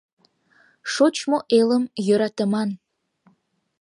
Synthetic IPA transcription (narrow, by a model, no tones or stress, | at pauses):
ʃot͡ɕmoʔeləmjøɾɑt̪ə̆mɑn